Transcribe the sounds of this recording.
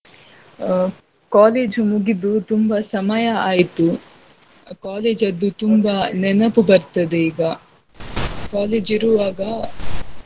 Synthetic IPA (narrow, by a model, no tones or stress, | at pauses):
kaːleːd͡ʒumuɡid̪ut̪umbɐsɐmɐjɐaːjit̪u | kaːleːd͡ʒɐd̪ːut̪umbanɛnɐpubɐɾt̪ɐd̪eiːɡɐ | kaːleːd͡ʒiɾuʋaːɡɐ